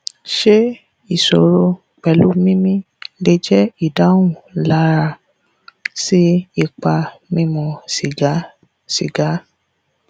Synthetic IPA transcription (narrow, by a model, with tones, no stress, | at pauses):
ʃe˦ | i˦˨so˨ɾo˧ | k͡pɛ˨lu˨˦mĩ˦mĩ˦ | le˧d͡ʒɛ˦i˦˨da˨˦wũ˨la˦ɾa˧ | si˦i˦˨k͡pa˧mĩ˦mɔ̃˧si˨ɡa˨˦ | si˨ɡa˨˦